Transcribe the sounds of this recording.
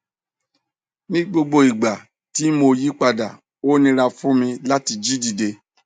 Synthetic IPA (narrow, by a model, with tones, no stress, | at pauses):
mĩ˦ɡ͡bo˧ɡ͡bo˧i˨ɡ͡ba˨ | ti˦mo˧ji˦k͡pa˧da˨ | o˦nĩ˧ɾa˧fũ˦mĩ˧la˦ti˧d͡ʒi˦di˧de˧